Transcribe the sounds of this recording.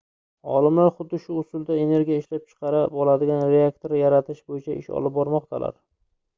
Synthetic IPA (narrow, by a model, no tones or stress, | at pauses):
ɒ̰lˠɪmlaɾχʊd̪ːɪʃʊʊsʊlˠd̪ae̞ne̞ɾɡʲijaɪʃlap̚t͡ʃʰɨ̥qʰɑɾabɒlˠad̪ɪɡʲanɾe̞akt̪ʰoɾjaɾat̪ʰɪʃbojɪt͡ʃʰaʔɪʃɒ̰lˠɪp̚bɒɾmɒqt̪ʰalʔa̰ɾ